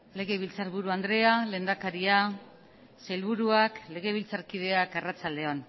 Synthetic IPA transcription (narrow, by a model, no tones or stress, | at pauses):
le̞ɣe̞β̞ilt͡saɾβuɾuand̪ɾe̞ale̞ːnd̪akaɾia | sajlβuɾuakle̞ɣ̞e̞βilt͡saɾkiðe̞akerat͡sald̪e̞on